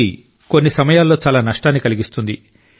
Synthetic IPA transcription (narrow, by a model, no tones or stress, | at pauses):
i | konːisɐmɐjaːlːo̞ːt͡ʃaːlaːnɐʂʈaːnːikɐliɡist̪und̪i